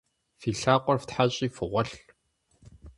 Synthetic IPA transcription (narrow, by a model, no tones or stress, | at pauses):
fiːɬaːqʷʼɔrftħaɕʼiːfɨʁʷɐɬ